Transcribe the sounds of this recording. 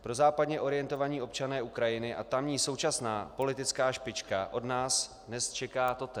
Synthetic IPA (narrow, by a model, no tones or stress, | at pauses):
pɾo̞zaːpadɲɛʔo̞ɾɪjɛnt̪o̞vaɲiːʔo̞pt͡ʃanɛːʔukɾajɪnɪʔa̰t̪amɲiːso̞wt͡ʃasnaːpo̞lɪt̪ɪt͡skaːʃpɪt͡ʃkaʔo̞dnaːs | nɛst͡ʃɛkaːt̪o̞t̪ɛ